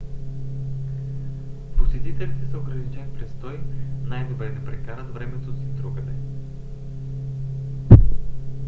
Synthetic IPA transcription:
posɛt̪it̪ɛlit̪ɛsɐoɡɾɐnit͡ʃɛnpɾɛst̪ɔjnajd̪obɾɛnɛpɾɛkaɾət̪vɾɛmɛt̪osid̪ɾuɡənɛ

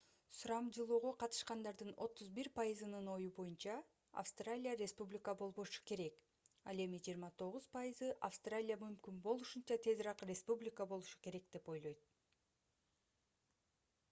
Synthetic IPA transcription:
suɾɑmd͡ʒɯlˠuːʁo̞qʰɑt̪ɯ̥ʃqɑnd̪ɑɾd̪ɯno̞t̪ːuzbiɾpajɨzɯnɯno̞jubo̞junt͡ʃɑ | a̰fst̪ralʲijaɾʲe̞spublʲɪkəbo̞lˠβo̞ʃu̥ke̞ɾe̞k | ɑ̰le̞mid͡ʒiːɾmɑt̪ʰo̞ʁuzpajɨzɯʔafst̪ralʲijamymkynbo̞lˠuʃunt͡ʃɑt̪ʰe̞zɾɑqrʲe̞spublʲɪkəbo̞lˠuʃu̥ke̞ɾe̞kd̪̥e̞po̞jlˠo̞jt̪̚

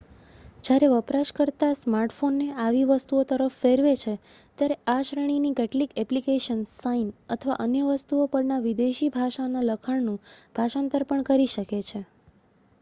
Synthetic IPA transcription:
d͡ʒjaɾeʋəpɾaʃkəɾt̪asmaɾʈfonːeaʋiʋəst̪uot̪əɾəfːeɾʋet͡ʃʰe | t̪jaɾeaʃɾəɳ̃inikeʈlikɛplikeʃənsainət̪ʰəʋa̰ʔənjəʋəst̪uopəɾnaʋid̪eʃibʱaʃanaləkʰəɳnũb̥ʱaʃant̪əɾpəɳkəɾiʃəket͡ʃʰe

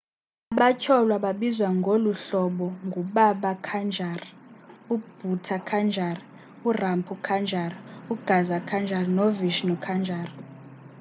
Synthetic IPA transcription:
aɓacʰɔlwaɓaɓizwaŋɡʱoluɬɔɓɔŋɡʱuɓaɓakʰand͡ʒʱarub̥ʱutʰakʰand͡ʒʱar | urampʰukʰand͡ʒʱaruɡ̥ʱazakʰand͡ʒʱarnoviʃnɔkʰand͡ʒʱaːr

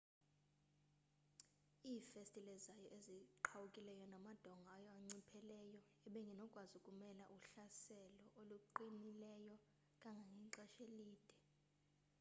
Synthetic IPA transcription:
iːfestʼilɛzajɔʔeziǃʰawukʼilɛjɔnamad̥ʱɔŋɡʱaajɔaŋ͡ǀipʰɛlɛjɔ | ɛɓɛŋɡʱinɔkʼwazukʼumɛlaʔuɬasɛlɔʔoluǃinilɛjɔ | kʼaŋɡʱaŋɡʱiŋǀɛʃeliːd̥ʱɛ

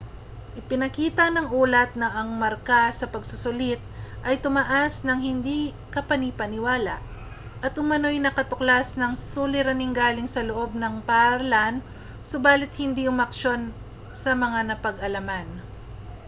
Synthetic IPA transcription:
ʔɪpɪnɐkiːt̪ɐnɐŋuːlɐt̪̚nɐʔɐŋmɐɾkasɐpɐɡsʊsʊlɪt̪̚ʔɐjt̪ʊmɐʔasnɐŋhɪnd̪i | kɐpɐnipɐnɪwaːlaʔ | ʔɐt̪ʔʊmɐno̞jnɐkɐt̪ʊklasnɐŋsuːlɪɾɐnɪŋɡaːlɪŋsɐloʔo̞b̚nɐŋpaɾlan | sobaːlɪt̪̚hɪnd̪iʔʊmɐkʃo̞n | sɐmɐŋanɐpɐɡɐlɐman

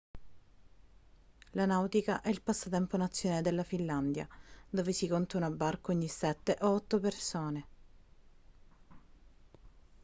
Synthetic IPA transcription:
lanawt̪ikaʔɛilpasːat̪ɛmponat̪sːjoːaːled̪elːafilːand̪ja̰d̪oːvesikont̪aunabːarkoɲːisɛt̪ːeʔoɔt̪ːopersoːne

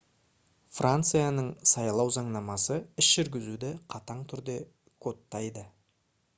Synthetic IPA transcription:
frʔant̪sɨjanəɴsɑjlˠɑwzɑɴnɑmɑsəɪsʒ̥ʏɾɡʲɪzud̪ɪqʰɑt̪ɑɴt̪ʰʏɾd̪e̞ | kʰo̞t̪ːɑjd̪ə

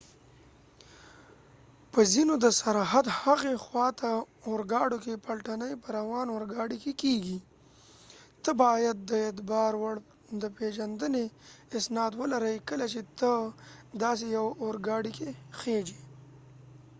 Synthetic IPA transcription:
pəzinod̪əsaɾɦad̪haɣexwɑt̪a | oɾɡɑɽokepalʈanəjpəɾawɑnoɾɡɑɽikekeɡi | t̪əbɑjad̪̚ːəet̪bɑːɾwaɽ | d̪əpeʒand̪əneɪsnɑːd̪wəlaɾəjkəlat͡ʃet̪əd̪ɑsejawoɾɡɑɽikexed͡ʒi

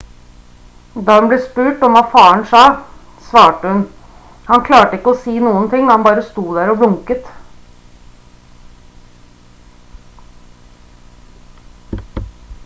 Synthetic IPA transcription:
d̪ɑːhʉnbleːspʉːʈɔmʋɑfɑːəɳsɑː | sʋɑːʈəhʉn | hɑnkʰlɑːʈəɪkːəɔsiːnuːənt̪ʰɪŋːhɑnbɑːɾəst̪uːd̪æːɾɔʋɽʊŋkət̪

